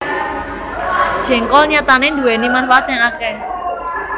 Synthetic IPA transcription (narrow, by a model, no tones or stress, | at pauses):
d̥ʒ̥ɛ̤ŋkɔlɲat̪anend̪uenimanfaat̪sɛŋakɛ